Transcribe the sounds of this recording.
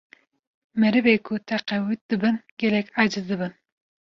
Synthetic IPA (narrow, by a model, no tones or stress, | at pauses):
mɛɾɨbeːkʰut̪ʰɛqɛwɨt̪̚d̪̥ɨbɨnɡʲɛlɛkʲɑd͡ʒɨzd̪ɨbɨn